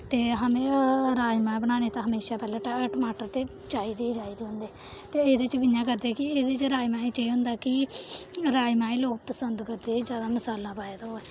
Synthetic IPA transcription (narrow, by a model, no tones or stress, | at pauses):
t̪eːɦəmẽɾaːimaːbəɽ̃ãːneːt̪ãɦəmeːʃaːpɛːlẽːʈʈəmaːʈəɾt̪eː | t͡ʃaːiːd̪id͡ʒaːiːd̪iːɦʊ̃nd̪eːt̪eːeːd̪eːt͡ʃbɪjãːk̬əɾd̪eːkɪeːd̪eːt͡ʃɾaːimaːĩːt͡ʃeiːɦʊ̃nd̪aːkɪ | ɾaːimaːĩloːkpəsənd̪kəɾd̪eːd͡ʒjaːd̪aːməsaːlːãːpaːjeːd̪aːɦoɛː